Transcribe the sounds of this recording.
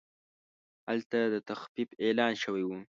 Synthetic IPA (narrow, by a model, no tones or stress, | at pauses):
alt̪ad̪ət̪axfifelɑːnʃəwajwu